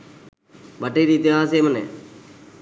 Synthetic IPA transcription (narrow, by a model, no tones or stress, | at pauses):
bəʈːeːɾiːt̪ɪaːs̬eːmənḛː